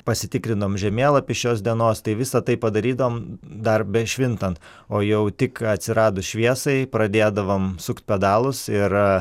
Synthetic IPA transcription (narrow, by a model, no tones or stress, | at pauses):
pɐsʲɪt̪ʲɪkɾʲɪnd̪ɐʋoːmʒʲɛmʲeːlˠɐpʲɪʃʲoːs̬d̪ʲiɛnoːst̪ɐɪʋʲɪsɐt̪ɐɪppɐd̪ɐɾʲiːd̪ɐʋoːmd̪ɐrbʲɛʃʲʋʲɪnt̪ɐnt̪ | oːjɛʊt̪ʲɪkɐt̪ʲsʲɪɾɑːd̪ʊʃʲʋʲiɛsɐɪpɾɐd̪ʲeːd̪ɐʋoːmsʊkt̪̚ʲpʲɛd̪ɑːlˠʊsɪr